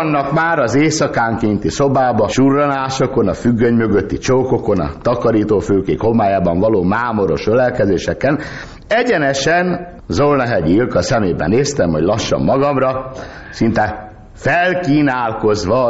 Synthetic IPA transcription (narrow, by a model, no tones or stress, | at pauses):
nːɒkmaːɾɒzeːsɒkaːŋkeːnt̪isobaːbɒʃurːɒnaːʃoko̞nɒfyɡːøɲmø̞ɡøt̪ːit͡ʃoːko̞ko̞nɒ̰t̪ɒkɒɾiːt̪oːføːkeːkho̞maːjaːbɒɱvɒloːmaːmo̞ɾo̞̰ʃølɛlkɛzeːʃɛkːɛn | ɛɟɛnɛʃɛn | zolnɒɦɛɟilkɒsɛmeːbɛ̰neːst̪ɛmɦo̰ɟlɒʃːɒ̰mːɒɡɒmrɒ | sint̪ɛ | fɛlkiːnaːlko̞zʋɒ